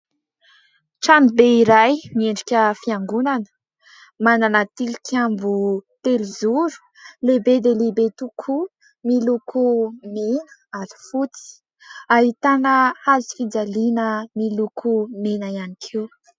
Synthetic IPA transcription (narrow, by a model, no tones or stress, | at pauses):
ʈ͡ʂamibeiɾajmieɳɖ͡ʐikʲəfiaŋɡunanə̥ | mananat̪ilikʲʰambut̪elizuɾu̥ | lebed̪elebet̪ukʰu | milukʰumenə̥aɾi̥fut͡si̥ | aɦit̪anəazi̥fid͡zalinəmilukʰumenaianikʰew